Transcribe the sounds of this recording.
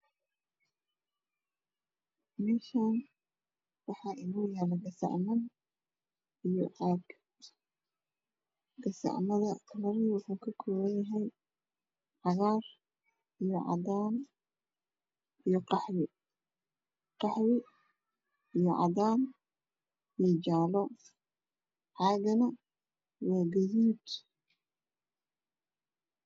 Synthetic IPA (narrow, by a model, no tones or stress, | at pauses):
mɛʃan | wɑħɑːʔɪnuːjɛːlɐɡɐsɑ̰ʕmɐn | ijɔʔaːɡ | ɡɐsɑ̰ʕmɐðɐlɐɾɪwʊħuːkʰɐkʰɔːβɐnjɐɦɛj | ʕɑɣaːr | ijɔʕɑ̰daːn | ijɞqɑħwɪ | qɑħwɪ | ijɔʕɑ̰ðaːn | iɔt͡ʃaːlɔ | ʕaːɡɐnɐ | waːɡɐjiːt̪